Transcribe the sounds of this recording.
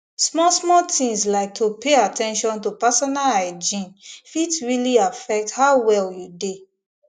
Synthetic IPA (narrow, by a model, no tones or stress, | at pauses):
smɔsmɔtʰĩŋslaɪk̚tʰupeatʰɛ̃nʃɔ̃ntopasɔnalaɪd͡ʒĩnfitsɹiliafɛk̚thaʊwɛljude